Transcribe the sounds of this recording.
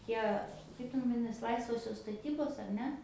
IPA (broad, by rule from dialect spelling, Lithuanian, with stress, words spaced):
ˈtʲiɛ ˈkɐɪp tʲɛn ʋɐˈdʲɪnɐs ˈlˠɐɪsʋoːsʲoːs stɐˈtʲiːboːs ɐr ˈnʲɛ